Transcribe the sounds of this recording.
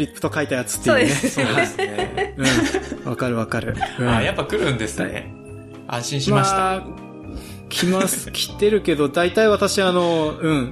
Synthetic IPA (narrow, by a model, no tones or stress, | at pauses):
ɾʲipːɯ̟̥t̪o̞kait̪ajat͡sɨ̥t̪ːoːd̪eeseɯ̟̃ɴβakaɾɯ̟βakaɾɯ̟ɯ̟̃ajapːakɯ̟ɾɯ̟̃nd̪e̞sɨnḛ | ã̰ɰ̃ɕĩɰ̃ɕmamaɕt̪ | kʲʰimasɨ̥kʲʰi̥t̪ːe̞ɾɯ̟ke̞d̪o̞d̪ait̪aiβat̪aɕiano̞ɯ̟̃ɴ